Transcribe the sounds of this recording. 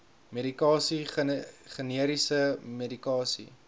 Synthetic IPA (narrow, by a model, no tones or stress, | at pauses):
meɾikɑːsi | χəniəɾisəmedikɑːsḭ